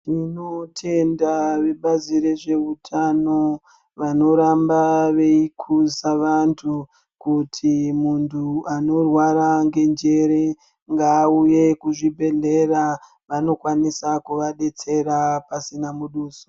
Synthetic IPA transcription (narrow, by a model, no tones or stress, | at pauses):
tinotʰe̞ndaʋe̞ɓaziɾe̞ʐe̞utʰano | ʋano̞ɾambaʋe̞ikʰuzaʋantʰu | kutʰimuntʰuano̞rwaɾaŋɡe̞nd͡ʒe̞ɾe | ŋɡaːuje̞kuʐibʱe̞ɮe̞ra | ʋano̞kwanisakuʋaɗe̞t͡se̞ɾapasinamuɗuːso̥